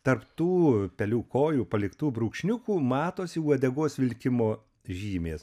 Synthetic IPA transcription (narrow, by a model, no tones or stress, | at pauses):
t̪ɐrpt̪uːpʲɛlʲuːkoːjuːpɐlʲɪkt̪uːbɾuːkʃʲnʲʊkuːmɑːt̪oːsʲɪuɐd̪ʲɛɡoːsʋʲɪlʲkʲɪmoː | ʒʲiːmʲeːs